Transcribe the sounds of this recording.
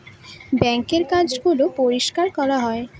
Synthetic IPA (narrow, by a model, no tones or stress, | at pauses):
bɛŋkeɾkad͡ʑɡulopoɾiʃkaɾkɔɾaɦɔe